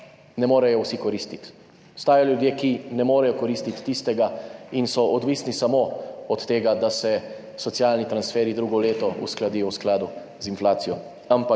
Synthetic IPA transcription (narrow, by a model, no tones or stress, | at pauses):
nɛmoːɾɛjɔwsikɔɾiːst̪it̪ | st̪aːjaljud̪jeːkinɛmoːɾɛjɔkɔɾiːst̪it̪ːist̪ɛɡainsɔʔɔd̪ʋiːsnisamoɔt̪ːeːɡad̪asɛ | sɔt̪sijaːlnit̪ɾansfɛːɾid̪ɾuːɡɔleːt̪ɔṵsklad̪ijɔwsklaːd̪u | zinflaːsijɔ | ampa